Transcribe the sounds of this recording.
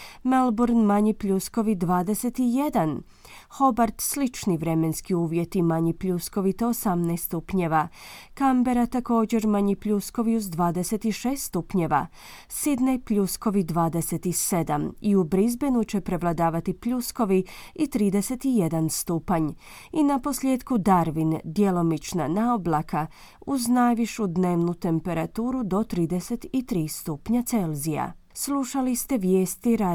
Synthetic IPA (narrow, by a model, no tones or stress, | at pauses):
melˠbuɾnmaɲipʎusko̞ʋid̪ʋaːd̪eset̪ijed̪an | xo̞baɾt̪slit͡ʃniʋɾe̞menskiuːʋjet̪imaɲipʎusko̞ʋit̪e̞osamnajst̪t̪upɲeʋakambe̞ɾat̪ako̞ːd͡ʑe̞ɾmaɲipʎusko̞ʋiuzd̪ʋaːd̪eset̪iʃeːst̪t̪upɲeʋa̰ | sid̪nejpʎusko̞ʋid̪ʋaːd̪eset̪ise̞d̪amiubɾizbe̞nut͡ɕe̞pɾe̞ʋlˠad̪aːʋat̪ipʎusko̞ʋiit̪ɾiːd̪ese̞t̪ije̞d̪anst̪uːpaɲ | inapo̞sljeːd̪kud̪aɾʋind̪je̞lo̞mit͡ʃnanaoblˠakʰa | uznajʋiʃud̪ne̞ːʋnut̪e̞mpe̞ɾat̪uːɾud̪o̞t̪ɾiːd̪ese̞t̪it̪ɾiːst̪upɲat̪se̞lzija̰sluʃalist̪e̞ʋje̞ːst̪iɾa